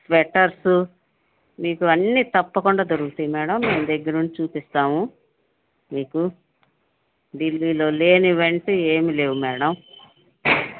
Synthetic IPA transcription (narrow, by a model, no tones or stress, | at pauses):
sʋɛʈːɐɾsu | miːkuɐnːiːt̪ɐpːɐkuɳɖaːd͡ʒ̪ɐɾukut̪unimɛːɽɐmːeːmd̪ɛɡːɐɾnunt͡ʃit͡ʃuːpist̪aːmu | miːku | ɖilːiːlo̞ːle̞ːniʋɐɳʈeeːmile̞ːwumɛːɽɐm